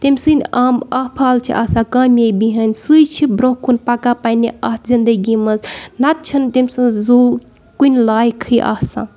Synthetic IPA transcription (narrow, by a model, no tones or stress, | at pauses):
t̪emʲsɨnʲaːmɐhpʰaːlt͡ʃʰḭʔɐsãkɐmʲjebiɦɐnʲsɨjt͡ʃʰibɾõɦkunpɐkapɐniɐh̪ʰzind̪ɐɡimɐznɐt̪̚t͡ʃʰɐnt̪imʲsɨzoː | kunʲlaːjkʰɨjʔɐ̰hsã̰